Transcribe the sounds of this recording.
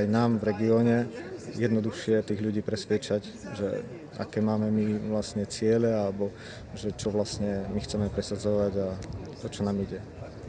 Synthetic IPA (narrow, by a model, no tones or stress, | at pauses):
ajnaːmvɾɛɡiɔːɲɛjɛd̪nɔd̪uxʃɪɛt̪iːɣʎuɟiːpɾɛsʋɪɛt͡ʃaɟ | ʒɛ̰ | a̰kɛːmaːmɛmiʋlasɲɛt͡sɪɛlɛalɛbɔ | ʒɛt͡ʃɔʋlasɲɛmixt͡sɛmɛpɾɛsad͡zɔʋaɟat̪ɔt͡ʃɔnaːmiɟɛ